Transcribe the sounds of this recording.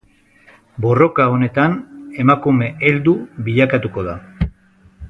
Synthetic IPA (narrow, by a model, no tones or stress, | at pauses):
bo̞ro̞kao̞ne̞t̪ane̞makume̞ʔeld̪uβiʎakat̪uko̞ða